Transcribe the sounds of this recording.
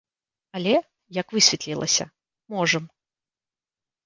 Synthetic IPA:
ɐlʲɛ | jɐkvɨsʲvʲɛt̪lʲilˠɐ̰sʲɐ̰ | mɔʐɐm

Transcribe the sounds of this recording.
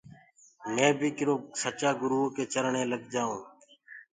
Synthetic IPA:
mẽːbʱiːkɪɾoːsət͡ʃaːɡʊɾuːoːkeːt͡ʃəɾɳẽːləɡd͡ʒaːũː

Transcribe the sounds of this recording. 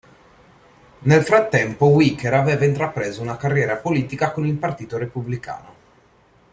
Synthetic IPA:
nelfɾat̪ːɛmpowikeɾavɛːvaint̪ɾapɾeːzounakarːjɛːɾapoliːt̪ikakonilpart̪iːt̪oɾepublika̰ːno

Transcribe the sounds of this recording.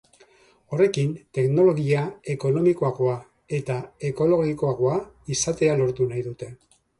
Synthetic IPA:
o̞re̞kint̪e̞kno̞lo̞ɣiae̞ko̞no̞miko̞aɣo̞a | e̞t̪ae̞ko̞lo̞ɣiko̞aɣo̞a | isat̪e̞alo̞ɾt̪unajðut̪e̞

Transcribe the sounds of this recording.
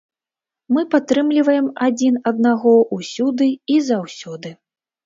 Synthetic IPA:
mɨpat̪ɾɨmlʲivɐjɛmad͡zʲinɐd̪naɣɔʔusʲud̪ɨizawsʲɔd̪ɨ

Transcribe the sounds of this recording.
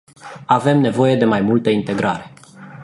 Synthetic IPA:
ave̞mne̞vo̞je̞d̪e̞majmult̪əint̪e̞ɡɾa̰ɾe̞

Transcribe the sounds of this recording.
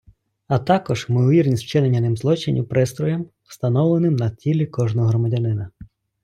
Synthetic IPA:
ɐt̪ɑkɔʒmɪɔʋʲirnʲisʲwt͡ʃɪnenʲːɐnɪmzlˠɔt͡ʃɪnʲḭwpɾɪst̪ɾɔjɛm | st̪ɐnɔwlˠenɪmnɐtʲilʲikɔʒnɔɦɾɔmɐdʲɐnɪnɐ

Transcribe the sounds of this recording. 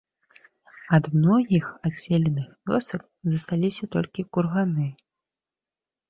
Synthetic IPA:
ɐd̪mnɔɣʲixasʲɛlʲɛnɨxvʲɔ̰sɐk̚ | zɐst̪alʲisʲɐt̪ɔlʲkʲikurɣanɨ

